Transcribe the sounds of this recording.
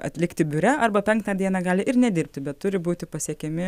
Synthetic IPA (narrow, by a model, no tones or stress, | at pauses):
ɐ̰t̪ʲlʲɪkt̪ʲɪbʲʊɾʲɛɐrbɐpʲɛŋkt̪ɑːd̪ʲiɛnɑːɡɑːlʲɪʔɪrnʲɛd̪ʲɪɾʲp̚ʲt̪ʲɪbʲɛt̪t̪ːʊɾʲɪbuːt̪ʲɪpɐsʲiɛkʲɛmʲɪ